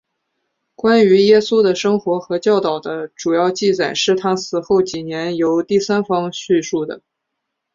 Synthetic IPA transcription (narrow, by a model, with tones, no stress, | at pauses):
kwa˥ny˧˥jɛ˥su˥d̪ə˨ʂɤ˥ŋxwɔ˧˥xɤ˧˥t͡ɕjɑ˥˩ʊt̪ɑ˨˩ʊd̪ə˦ʈ͡ʂu˨˩jɑ˥˧ʊt͡ɕi˥˩t͡sa˨˩ɪʂɻ̩˥˩t̪ʰa˥sɹ̩˨˩xo˥˩ʊt͡ɕi˨˩njɛ˧˥njo˧˥ʊt̪i˥˩sa˥nfɑ˥ŋɕy˥˧ʂu˥˩d̪ə̰˩